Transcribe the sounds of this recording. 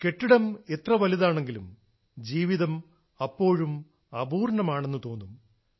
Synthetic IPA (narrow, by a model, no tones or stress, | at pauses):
ke̞ʈːiɽɐmet̪rɐʋɐliðaːɳeŋɡilum | d͡ʑiːʋiðɐm | ɐpːo̞ːɻum | ɐbuːrɳɐmaːɳe̞nːɨt̪o̞ːnːum